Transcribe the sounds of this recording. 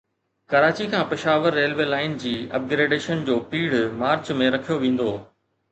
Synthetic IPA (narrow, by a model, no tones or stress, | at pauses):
kɐɾaːt͡ɕikʰãːpɪʃaːʋəɾːeːlʋelaːɪnd͡ʑiːɐ̰p̚ɡɾeːɖeːʃənd͡ʑoːpiːɽ̤maːɾt͡ɕmẽɾɐkʰijoʋẽːn̆d̪oː